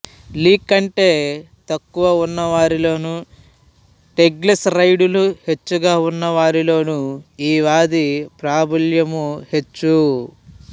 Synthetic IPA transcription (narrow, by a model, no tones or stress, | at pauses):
liːkːɐɳʈe̞ː | t̪ɐkːuʋɐunːɐʋaːɾilo̞ːnu | ʈe̞ɡlesɾɐjɖuluhe̞t͡ʃːuɡaːunːɐʋaːɾilo̞ːnuiːʋaːd̪ipɾaːbɐljɐmuhe̞t͡ʃːu